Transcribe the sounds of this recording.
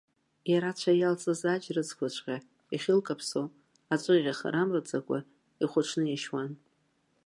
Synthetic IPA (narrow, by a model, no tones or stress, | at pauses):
jaɾat͡ɕʷʰajalt͡sʼɨzad͡ʒrɨt͡sʰkʷʰat͡ʃʷʰʼqʲʼa | iχʲɪlkʼapʰsow | at͡ʃʷʼɨʁʲaχa̰ɾamrɨt͡sʼakʷʼa̰ | iχʷʊʈ͡ʂʰnɨjaʃwan